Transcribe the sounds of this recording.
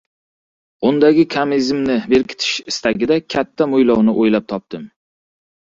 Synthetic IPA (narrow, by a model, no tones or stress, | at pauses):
ʊnd̪aɡʲɪkʰamizmnɪbe̞ɾkʲʰɪ̥t̪ʰɪ̥ʃɪst̪ʰaɡʲɪd̪akʲʰat̪ʰːamʊjlɒwnɪʔojlap̚t̪ʰɒp̚t̪ɪm